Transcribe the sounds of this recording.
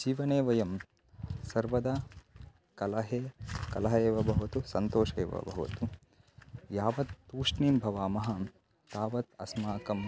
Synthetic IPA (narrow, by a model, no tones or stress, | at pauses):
d͡ʒiːʋɐneːʋɐjɐm | sɐɾʋɐd̪a | kɐlɐɦeːkɐlɐɦɐeːʋɐbʱɐɦʋɐt̪usɐnt̪oːʂeːʋɐ̰bʱɐɦʋɐ̰t̪u | jaːʋɐt̪ːuːʂɳiːmbʱɐʋaːmɐɦɐ | t̪aːʋɐt̪ɐ̰smaːkɐm